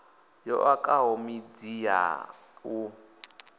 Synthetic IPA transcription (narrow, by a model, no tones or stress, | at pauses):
jɔ̰ʔakʼaɦɔmid͡zia̰u